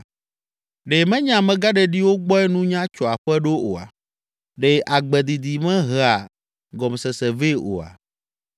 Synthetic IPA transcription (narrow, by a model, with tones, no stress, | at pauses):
ɖe˨mɛ̃˦ɲã˨mɛ̃˨ɡa˦ɖɛ˨ɖi˦wo˦ɡ͡bɔ˦ɛ˦nũ˦ɲã˦t͡ʃɔ˨a˨ɸɛ˦ɖo˦o˨a̰˨ | ɖe˦ʔa˨ɡ͡bɛ˨d̪i˨d̪i˨mɛ̃˦ɦɛ˨a˨ | ɡɔ˨m˨sɛ˨sɛ˨ve˦˨o̰˨a̰˨